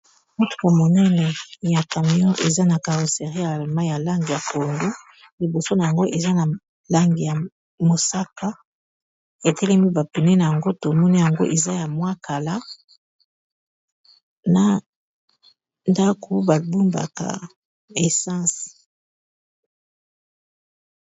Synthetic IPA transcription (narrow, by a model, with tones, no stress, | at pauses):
mu˦tu̥˨ka˨mo˨nɛ˦nɛ˨ja˨ka˨mi˨ɔ̃˦ʔe˨za˦na˨ka˨ʁo˨se˨ʁi˦ja˨ma˦ja˨la˦ŋɡi˨ja˨ko˨ŋɡu˦ | li˨bo˨so˦na˨ja˨ŋɡo˦ʔe˨za˦na˨ | la˦ŋɡi˨ja˨ | mo˨sa˦ka˦ | e˨tʰɛ˦lɛ˦mi˦ba˨pe˨ne˦na˨ja˨ŋɡo˦to˨mɔ˦ni˦ja˨ŋɡo̰˦ʔe˨za˦ja˨mwa˦ka˨la˦ | na˨ | nda˦ko˨ba˨bu˦mba̰˨ka̰˨ | e˨sɑ̃˦s